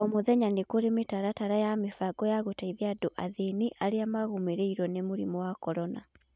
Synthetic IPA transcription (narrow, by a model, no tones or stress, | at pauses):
ɔmoðɛɲanekoɾemetaɾataɾajamefaɡɔjaɣotaiðeadoʔaðeniʔaɾeamaɣomeɾeiɾɔnemoɾimɔwakɔɾɔna̰